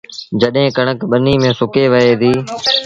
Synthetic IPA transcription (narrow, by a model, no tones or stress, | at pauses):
d͡ʒəɗɦẽːkəɳ̃əkɓəniːmẽːsʊkeːʋəɦeːd̪iː